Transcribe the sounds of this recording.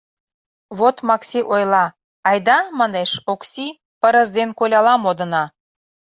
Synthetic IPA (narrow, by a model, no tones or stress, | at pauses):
βot̪mɑksʲiʔojlˠɑ | ɑjd̪ɑmɑneʃoksʲi | pə̆ɾə̆zd̪enkolʲɑlɑmod̪ə̆nɑ